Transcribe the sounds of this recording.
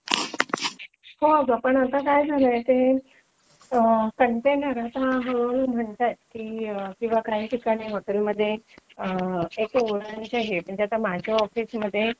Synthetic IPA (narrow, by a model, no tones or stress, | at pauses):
hoaɡapəɳat̪akajd͡zʱaləjt̪e | kəɳʈenəɾat̪ɦãɦəunum̤əɳt̪at̪̚kiːəkĩw̃ʋakaɦiːʈʰikaɽ̃iːɦɔt̪ɛlməd̪ʱːjeəekuɾant͡ɕeɦeməɳd͡ʑeat̪amad͡ʑʱjaɔfiːsməd̪ʱːje